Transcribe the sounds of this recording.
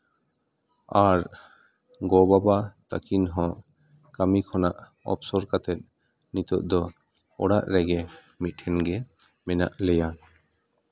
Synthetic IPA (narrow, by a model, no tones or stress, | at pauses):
aɾ | ɡɔbabat̪akʰinɦɔ̃ | kamikʰɔnaʔ | ɔ̰psɔɾkat̪ɛt̪̚ | nit̪ɔʔ̚d̪ɔ | ɔɽaʔɾɛɡɛ | mit̪ʰɛnɡɛ | mɛna̰ʔlɛja